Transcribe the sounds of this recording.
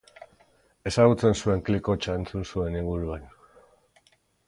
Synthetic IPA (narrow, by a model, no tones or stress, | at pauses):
e̞saɣut͡se̞nsue̞ŋkliko̞t͡ʃae̞nt͡sunsue̞niɣuɾuβan